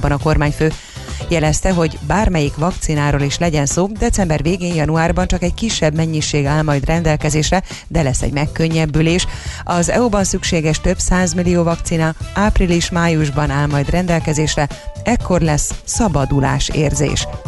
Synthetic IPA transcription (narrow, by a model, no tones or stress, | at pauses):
bɒnɒko̞rmaːɲføː | jɛlɛst̪ɛɦo̞ɟbaːrmɛjikvɒkt̪sinaːɾoːliʃlɛɟɛnsoːd̪ɛt̪sɛmbɛrveːɡeːnjɒnuaːrbɒnt͡ʃɒkɛckiʃːɛbmɛɲːiʃeːɡaːlmɒjd̪rɛnd̪ɛlkɛzeːʃrɛ | d̪ɛlɛsːɛ̰ɟmɛkːø̞ɲːɛbːyleːʃɒzɛ̰ubɒnsykʃeːɡɛʃt̪ø̞bsaːzmilijoːvɒkt̪sinɒaːpriliʃmaːjuʒbɒnaːlmɒjd̪rɛnd̪ɛlkɛzeːʃrɛɛkːo̞rlɛsːɒbɒd̪ula̰ːʃḛːrzḛːʃ